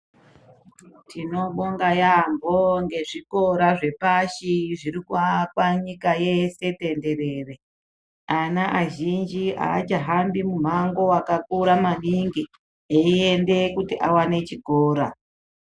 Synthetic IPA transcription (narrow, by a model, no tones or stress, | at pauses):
tʰino̞ɓo̞ŋɡajambo̞ŋɡe̞ʐiko̞ɾaʐe̞paʃiʐiɾikuakwaɲikaje̞se̞te̞nde̞ɾe̞ːre̞ | anaʔaʒind͡ʒia̰ːt͡ʃaɦambimum̤aŋɡo̞akak̚uɾamaniŋɡi | eiende̞kutiʔawane̞t͡ʃiɡʱoːɾa